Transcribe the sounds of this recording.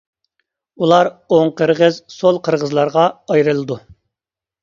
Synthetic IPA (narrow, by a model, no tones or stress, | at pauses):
ulˠɑɾoŋqʰəɾʁəzsolˠqʰəɾʁəzlˠɑɾʁɑɑjɾɨlˠɨd̪u